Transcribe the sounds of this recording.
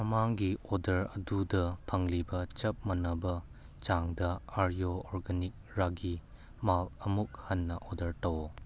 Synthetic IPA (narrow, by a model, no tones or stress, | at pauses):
mɐmaŋɡiɔdɐɾɐdudɐpʰɐŋlibɐt͡ʃɐp̚mɐnɐbɐ | t͡ʃaŋdɐaɾjoɔɾɡanik̚ɾaɡi | malɐmuk̚hɐnːɐʔɔdɐɾtɐw